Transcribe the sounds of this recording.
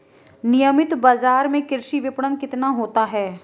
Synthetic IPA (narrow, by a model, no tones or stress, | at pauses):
nɪjəmɪt̪baːzaːɾmẽkɪɾʃiʋɪpɽənkɪt̪naɦoːt̪aɦɛː